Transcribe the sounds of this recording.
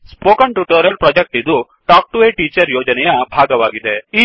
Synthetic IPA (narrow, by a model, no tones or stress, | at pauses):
spoːkɐɳʈuʈoːɾjɐlpɾɐd͡ʒek̚ʈid̪u | ʈaːk̚ʈuʋeːʈiːt͡ʃɐɾjoːd͡ʒɐnɛjɐbʱaːɡɐʋaːɡid̪ei